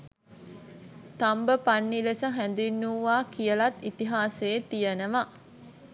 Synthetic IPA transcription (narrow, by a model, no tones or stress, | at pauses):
t̪ambəpanːilesəɦænd̪inːuʋaːkijəlɐt̪ːit̪iɦaːseːt̪ijənəʋa